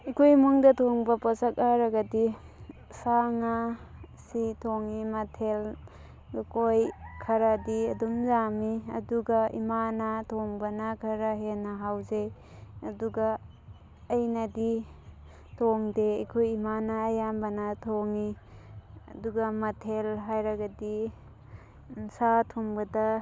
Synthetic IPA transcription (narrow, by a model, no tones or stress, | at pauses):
ikʰojmuŋdɐtʰoŋbɐpɔsak̚aɾɐɡɐdi | saŋasitʰoŋimɐtʰel | ukʰojkʰɐɾadiɐdumzamiɐ̰duɡaḭmanatʰoŋbɐnakʰɐɾaɦenɐɦawzej | ɐduɡaː | jnɐdi | tʰoŋdeɐkʰojimanɐːjambɐnɐtʰoŋi | ɐ̰duɡamɐtʰelɦajɾaɡadi | nsatʰoŋbɐda